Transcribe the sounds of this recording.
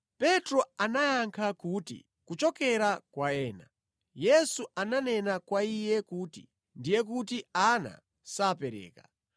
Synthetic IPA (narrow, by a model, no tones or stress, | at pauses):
pɛtɾɔanajaŋkʰakuːtḭ | kut͡ʃɔkɛɾakwaɛːna | jɛsuananɛnakwaijɛkuːtḭ | ndijɛk̬ut̬iana̰ | saːpɛɾɛ̰ːka